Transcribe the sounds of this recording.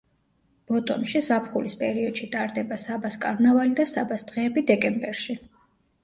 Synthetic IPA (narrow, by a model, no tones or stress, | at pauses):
b̥ɔt̪ʼɔ̰nʃizapʰχulispʼɛɾiɔd̪̥ʃit̪ʼaɾd̪ɛbasabaskʼaɾnavalid̪asabasd̪̥ʁɛːbid̪ɛkʼɛmbɛɾʃi